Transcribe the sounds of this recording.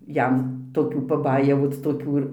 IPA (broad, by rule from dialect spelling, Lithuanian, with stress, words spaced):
ˈjɛm toːˈkʲuː pɐˈbɑːjɛʋoːt͡s toːˈkʲuː ɪr